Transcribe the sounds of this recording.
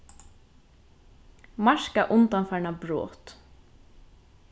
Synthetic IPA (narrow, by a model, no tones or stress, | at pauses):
mɑʃkaʔʊnt̪ɑnfæɳɑbɹo̰ːt̪